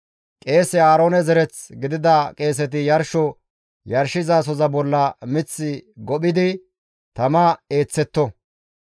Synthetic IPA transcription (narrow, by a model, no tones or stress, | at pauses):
kʼe̞ːsɛaːɾo̞ːnɛzɛɾɛt͡sɡɪd̪ɪd̪ɐkʼe̞ːs̬ɛt̪̬ɪjɐɾʃɔ | jɐɾʃɪzaːs̬ɔzɐbɔlːɐmɪt͡sːɪɡɔɓɪd̪ɪ | t̪ɐmaeːt͡sːɛt̪ːɔ